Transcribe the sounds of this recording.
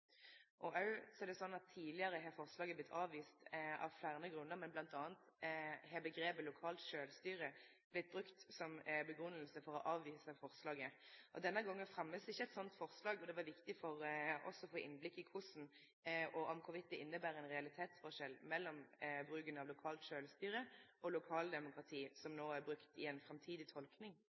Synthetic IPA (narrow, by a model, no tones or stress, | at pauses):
ʔɔʔɑɹsɔɛʁd̪ɛsɔnːɑt̪ʰːiːlɪəɾəɦɛfɔʁslɑːɡəblɪt̪ʰːɑːʋʋiːst̪ɑ̰ʋflæːʁnəɡʁʉnːəʁmɛnblɑnt̪ɑːnt̪ | ɦɛbəɡɾeːbəlʊkʰɑːlt̪ʃøːlst̪yːɾə | b̥lɪt̪̚b̪ɾʉkt̪sɔmbəɡʁʉnːəlsəfɔʁɔʔɑːʋʋiːsəfɔʁslɑːɡəʔɔ̰d̪ɛnːəɡɔŋːənfɾɑmːəsɪçːəɛt̪sɔnt̪fɔʁslɑːɡɔd̪ɛʋɑɾʋɪkt̪ɪfɔʁɔ̰sːɔfoːʔɪ̰nːblɪkːɪkʰʊsn̩ | ʔɔʔɔmkʰʊʋɪt̪̚ːəʔɪnːəbæːɾɛnʁɛɑlɪt̪ʰeːt̪sfɔʁʂɛlmɛlːɔmbɾʉːɡənɑʋlʊkʰɑːlt̪ʃøːlst̪yːɾəʔɔlʊkʰɑːld̪ɛmʊkɾʁɑt̪ʰiːsɔmnoːæɾbɾʉkt̪ɪɛnfɾɛmt̪ʰiːd̪ɪt̪ʰɔlknɪŋ